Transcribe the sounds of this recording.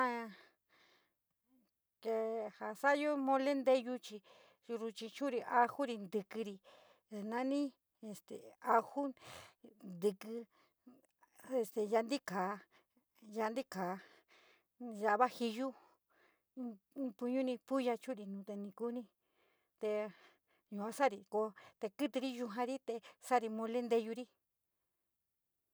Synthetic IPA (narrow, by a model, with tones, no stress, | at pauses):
ã˦˧ | ke˧ha˧sa˦jo˦mõ˧le˦nd̪e˦ju˧t͡ʃi˧ | ɾu˧t͡ʃĩ˧t͡ʃũ˦ɾi˧ʔa˧hu˦ɾi˧nd̪ɨ˧kɨ˧ɾi˧˨ | nã˦nĩ˦ | e˧st̪e˨a˧hu˦ | nd̪ɨ˧kɨ˧ | e˧st̪e˨ja˧nd̪i˦kaː˨˦ | ja˧nd̪i˦kaː˨ | ʒa˧βa˦hi˧ju˦˧ | pu˧ɲũ˦nĩ˧pu˦ja˧t͡ʃu˦ɾi˧nũː˨˧t̪e˧nĩ˧ku˦nĩ˧ | t̪e˧ | jũ˧˨ã˧˦sa˦˨ɾi˧ko˧t̪e˧kɨ˦t̪ɨ˧ɾi˦ju˧ɦã˧ɾi˦t̪e˧sa˦˨ɾi˧mõ˧le˦nd̪e˧ju˧ɾi˦